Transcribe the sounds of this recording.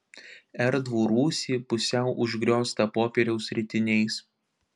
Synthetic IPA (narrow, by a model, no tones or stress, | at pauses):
ɛɾd̪ʋuːɾuːsʲiːpʊsʲɛˑʊʔʊʒʲɡɾʲoːst̪ɐpoːpʲɛːɾʲɛʊsʲɾʲɪt̪ʲɪnʲɛɪs